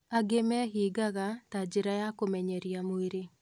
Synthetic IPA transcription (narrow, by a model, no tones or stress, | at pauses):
aɡemɛɦiːɡaɣatad͡ʒeɾajakomɛɲɛɾjamoeɾe